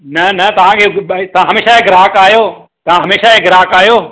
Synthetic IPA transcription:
nɐnɐt̪ɐʋ̤ãkʰet̪ɐãɦɐmeːʃaeɡɾaːkaːjoː | t̪ɐʋ̤ãɦɐmeːʃaeɡɾaːkaːjoː

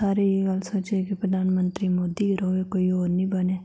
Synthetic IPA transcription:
aːɾejeɡalsoːt͡ʃekipɾəd̪ʱaːnmə̃nt̪ɾimoːd̪ieɾɦoʋekoːioːɾnĩbɐneː

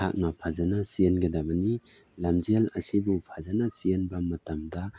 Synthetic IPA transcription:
a̰k̚napʰazanasienɡɐdamani | lamzialɐsibupʰazanasienbamɐtamda

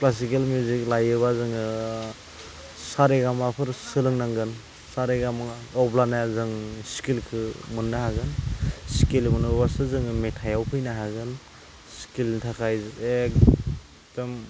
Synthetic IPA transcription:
klas̬ikelmjuzik̚lajɯβazɯŋɯ | saɾeɡamapʰɯɾsɯlɯŋnaŋɡɯn | saɾeɡamɯŋɔplanajazɯŋskilkʰɯmɯnːahaɡɯnskilmɯnɯbasɯzɯŋɯmetʰajawpʰɯjnaɦaɡɯn | skilntʰakʰajzek̚ | d̥ɔm

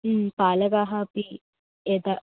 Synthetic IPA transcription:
paːləɡaːɦapi | ed̪a

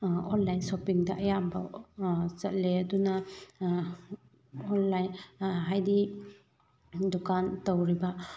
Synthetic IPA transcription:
ɔnlajnsopiŋdɐʔɐjabɐ | zɐt̚leɐdunɐ | ɔnlajnɦajdi | dukantowɾiba

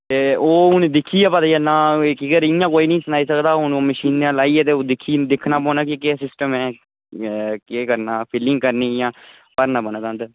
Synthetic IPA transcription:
t̪eːoːʊnẽːd̪ɪkʰːiːɛːpət̪aːjanãːkɪɡəɾɪjãːkoːiːnəĩːsənaːiːsəkd̪aːʊnːməʃiːnãːlaːiːɛːt̪eːoːd̪ɪkʰːiːd̪ɪkʰnaːpɔ̃ːnaːkɪkeːsɪsʈəmɛ̃ː | keːkəɾnaːpʰɪlɪŋɡ̚kəɾniːjãː | pəɾnaːbənat̪ãːnd̪ə

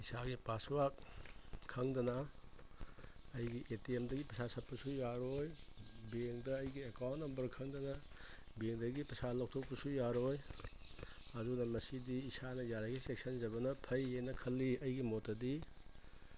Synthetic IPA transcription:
isaɡipaswakʰː | ɐŋdɐnɐ | jɡiʔetiemdɐɡipɾɐsasɐt̚pɐsujaɾojbeŋdɐːjɡiekawntnɐmbɐɾkʰɐŋdɐnɐ | beŋdɐɡipɾɐsalɐk̚tʰok̚pɐsujaɾoj | ɐdunɐmɐsidiːsanɐjaɾaɡisek̚sɐnzɐbɐnɐpʰɐjenɐkʰɐlːiɐjɡimotːɐdi

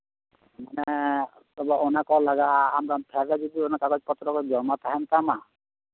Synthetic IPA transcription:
manɛ | t̪ɔbaonakɔlaɡaːmɾapʰɛɾːad͡ʒɔd̪ionakakɔd͡ʒpɔt̪ːɾɔkɔd͡ʒɔmat̪ʰaɦɛmt̪ama

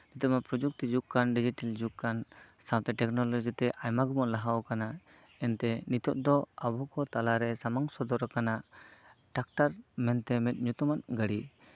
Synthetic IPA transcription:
nit̪ɔapɾɔd͡ʒuk̚t̪id͡ʒukkːanɖid͡ʒiʈald͡ʒukkːansawt̪ɛʈɛknɔlɔd͡ʒit̪ɛʔajmaɡɔmɔʔlaɦawɔkana | ɛnt̪ɛnit̪ɔʔ̚d̪ɔabɔkɔt̪alaɾɛsamaŋsɔd̪ɔɾakanaʔʈak̚ʈaɾmɛnt̪ɛmɛt̪̚ɲut̪umanɡəɽi

